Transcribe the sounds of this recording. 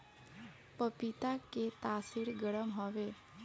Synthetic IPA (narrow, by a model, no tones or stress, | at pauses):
pəpit̪aket̪asiɽɡəɽəmɦɔʋe